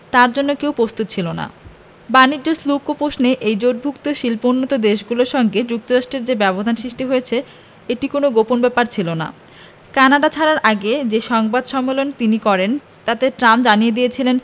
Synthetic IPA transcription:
t̪aɾd͡ʑonːokewpɾost̪ut̪t͡ɕʰilona̰ | banid͡ʑoslukopoʃneʔejd͡ʑoʈ̚bʱukt̪oʃilpounːot̪od̪eʃɡuloɾʃɔŋɡed͡ʑuk̚t̪oɾaʃʈɾeɾd͡ʑebɛbod̪ʱanʃɾiʃʈiɦoet͡ɕʰe | eʈikonoɡoponbɛpaɾt͡ɕʰilona̰ | kanaɖat͡ɕʰaɾaɾʔaɡed͡ʑeʃɔŋbad̪ʃɔmːelont̪inikɔɾen | t̪at̪eʈɾamd͡ʑanijed̪ijet͡ɕʰilen

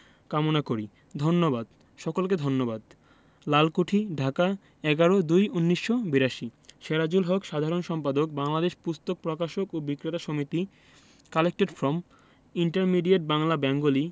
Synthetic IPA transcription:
kamonakoɾi | d̪ʱonːobad̪ | ʃɔkolked̪ʱonːobad̪ | lalkoʈʰiɖʱaka | ɛɡaɾod̪ujunːiʃːobiɾaʃiʃeɾad͡ʑulɦɔkʃad̪ʱaɾonʃɔmpad̪ok̚baŋlad̪eʃpust̪ok̚pɾɔkaʃokobikɾet̪aʃomit̪i | kalek̚ʈeɖfɾɔm | iɳʈaɾmiɖieʈ̚baŋlabɛŋɡoli

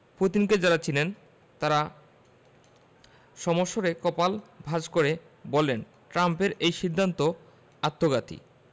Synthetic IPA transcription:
put̪inked͡ʑaɾat͡ɕʰilen | t̪aɾa | ʃɔmoʃːoɾekɔpalbʱad͡ʑkoɾe | bɔlen | ʈɾampeɾejʃid̪ʱːant̪o | at̪ːoɡat̪ḭ

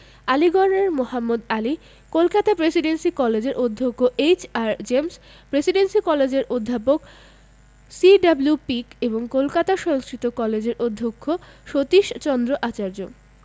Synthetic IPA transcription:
aliɡɔɾneɾmohamːud̪ali | kolkat̪apɾesiɖensikɔled͡ʑeɾʔod̪ʱːokʰːoʔejt͡ɕaɾd͡ʑems | pɾesiɖensikɔled͡ʑeɾʔod̪ʱːapok | siɖablupikeboŋkolkat̪aʃɔŋskɾit̪okɔled͡ʑeɾʔod̪ʱːokʰːoʃot̪iʃt͡ɕɔnd̪ɾoʔat͡ɕaɾd͡ʑo

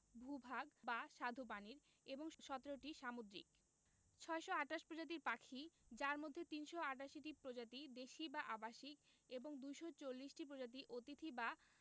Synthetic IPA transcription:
bʱubʱaɡbaʃad̪ʱopaniɾ | eboŋʃɔt̪eɾoʈiʃamod̪ɾḭk | t͡ɕʰɔeʃoaʈaʃpɾod͡ʑat̪̬iɾpakʰid͡ʑaɾmod̪ʱːet̪inʃoaʈ̬aʃiʈipɾod͡ʑat̪id̪eʃibaʔabaʃikeboŋd̪ujʃot͡ɕolːiʃʈip̬ɾod͡ʑat̪̬iʔot̪it̪ʰiba

